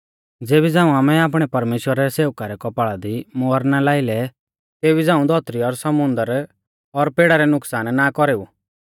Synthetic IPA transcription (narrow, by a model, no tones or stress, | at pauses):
d͡zeːbid͡zãːũaːmɛaːp̬ɽ̃ɛpɐɾmeːʃwəɾaɾɛseːʋwkaɾɛkɔpaːɭad̪imoːɾnalaːɪlɛ | t̪eːbid͡zãːũd̪ʱɔt̪ɾiɔɾsɐmʊ̃nd̪əɾ | ɔɾpeːɽaɾɛnʊksaːnnakɔɾeːu